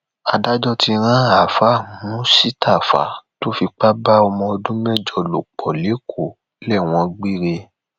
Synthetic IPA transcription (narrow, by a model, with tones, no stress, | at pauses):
a˨˧da˦d͡ʒɔ˦ti˧ɾ̃ã˦a˨fa˨˦˨mũ˨˦si˦ta˦˨fa̰˨˦to˦fi˧k͡pa˦ba˦ɔ˧mɔ̃˧o˧dũ˦mɛ˦˨d͡ʒɔ˧lo˨k͡pɔ˨le˨˦kʰo˨ | lɛ˦˨w̃ɔ̃˧ɡ͡bi˦˨ɾe˧